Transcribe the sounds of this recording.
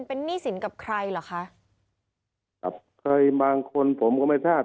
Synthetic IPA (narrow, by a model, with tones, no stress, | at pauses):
npe˧nːiː˥˩si˨˩˦nka˨˩p̚kʰɾa˧jla˨˩˦kʰa˦˥ʔ | ka̰˨˩p̚kʰɤː˧jbaː˧ŋkʰo˧npʰo˩˦mkɔ˥˩ma˥˩jsʰaː˥˩